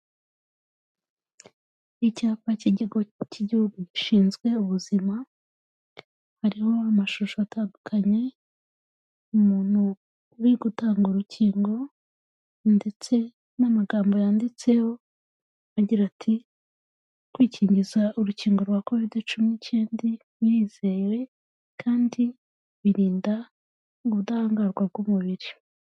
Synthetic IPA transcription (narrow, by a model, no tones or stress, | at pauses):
icaːpaciɟiɡociɟiuɡuʃiːnzɡwe̞uβuzima | haɾiho̞amaʃuʃoataːndukʰaɲe̞ | umuːn̥u | uɾiɡutaːŋɡuɾucʰiːŋɡo̞ | nde̞t͡se̞ | namaɡaːmbo̞jandit͡se̞ho̞ | aɟiɾatʰi | kwiːciːɲɟizauɾuciːŋɡo̞ɾwako̞vidit͡ʃuminicʰeːndi | jiːz̥e̞ɾe̞ | kʰaːndi | βiɾiːnda | ŋɡuβudahaːŋɡaɾɡwab̚ɡumuβiɾi